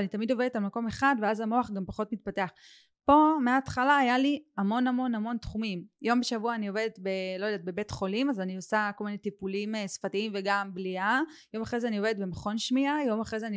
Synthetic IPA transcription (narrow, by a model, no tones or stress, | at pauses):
anit̪amid̪o̞ve̞detalmako̞meχadveazamo̞aχɡampaχo̞tmit̪̚pate̞aχ | po̞meaːtχalaːjaliamo̞namo̞nhamo̞nt̪χumimjo̞mbeʃavuaːnio̞vedet̪belojdat̚be̞be̞tχo̞limazaniosako̞lminetipulimesfatiimveɡambliajo̞maχʁezeanio̞ve̞det̪̚be̞maχo̞nʃmiajo̞maχʁezeani